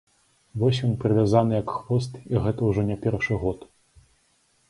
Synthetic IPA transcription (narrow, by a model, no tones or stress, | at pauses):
vɔsʲjɔnpɾɨvʲazanɨjɐkxvɔst̪iɣɛt̪ɐwʐɔnʲapʲɛrʂɨɣɔt̪